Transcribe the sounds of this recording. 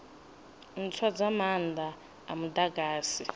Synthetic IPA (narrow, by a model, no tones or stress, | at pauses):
n̩t͡sʰwad͡zamand̪ʱaː | mudaɡaːsi